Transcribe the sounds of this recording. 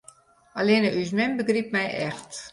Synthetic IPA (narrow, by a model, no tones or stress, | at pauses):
ɑleːnəʔys̬mɛnbəɡrip̚mɛjʔɛxt